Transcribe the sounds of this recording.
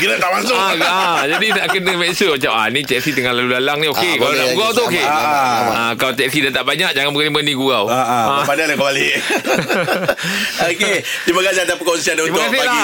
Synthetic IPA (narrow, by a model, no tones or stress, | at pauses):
kilat̪aʔmasʊaad͡ʒadit̪aʔkənə̃mɛ̃səmat͡ʃap̚anĩt̪ɛk̚sit̪əŋãnlalulalaŋnĩokekalalaɡɡuawt̪uoke | akalawt̪ɛksidat̪aʔbaɲãk̚d͡ʒaŋanbəɡənimənĩɡuawaapanalakəmbali | oket̪imakasiat̪apəkounsiandaũimaokasila